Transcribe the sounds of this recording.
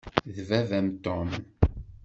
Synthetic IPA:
ðvævæmt̪ɔm

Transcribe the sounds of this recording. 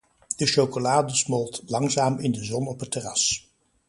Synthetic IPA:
d̥əʃowkolaːdəsmɔlˠtlɑŋzaːmɪndəzɔnɔpɦətərɑs

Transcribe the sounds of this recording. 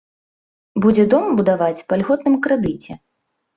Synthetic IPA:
bud͡zʲɛd̪ɔmbud̪avat͡sʲpɐlʲɣɔt̪nɨmkɾɛd̪ɨt͡sʲɛ

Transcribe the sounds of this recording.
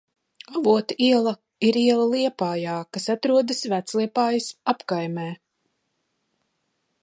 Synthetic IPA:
avuɔt̪iɛlˠɐ | iɾiɛlˠɐlˠiɛpaːjaːkasat̪ɾuɔd̪ɨsvæt̪slˠiɛpaːjɐsapkajmɛː

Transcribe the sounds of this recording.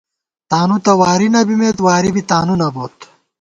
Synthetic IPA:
t̪aːnut̪ɐwaːɾinɐbimeːt̪waːɾibit̪aːnunɐboːt̪

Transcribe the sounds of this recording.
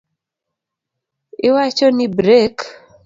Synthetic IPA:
ɪwat͡ʃɔnibɾek

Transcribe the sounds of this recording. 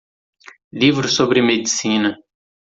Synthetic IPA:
livɾʊsobɾɪmed͡ʒisĩnɐ

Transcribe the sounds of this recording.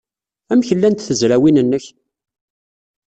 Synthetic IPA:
æmçəlːænt̪θəzɾæwinənːəç

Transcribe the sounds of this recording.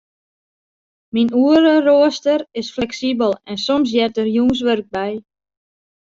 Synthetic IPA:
minuəɾəroəstərɪsflɛksibəlˠɛnsɔms̬jɛtərjuːns̬ʋørɡ̚bɛj

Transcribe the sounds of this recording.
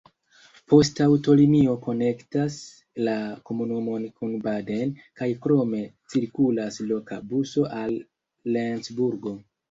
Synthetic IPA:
po̞stawto̞limio̞ko̞ne̞ktas | lako̞munumo̞nkunbadenkajkɾo̞me̞t͡siɾkulaslo̞kabuso̞ʔalː | ensbuɾɡo̞

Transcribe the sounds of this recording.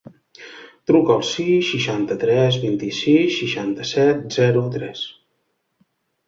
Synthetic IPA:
t̪ɾukəːlˠsisːiʃant̪ət̪ɾɛzβint̪isisːiʃant̪əsɛt̪̚zɛɾut̪ɾɛs

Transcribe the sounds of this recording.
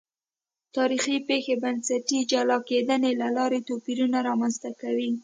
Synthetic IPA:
t̪ɑɾixipexebansaʈid͡ʒalɑked̪ənelalɑɾet̪opiɾunaɾɑmanzt̪akawi

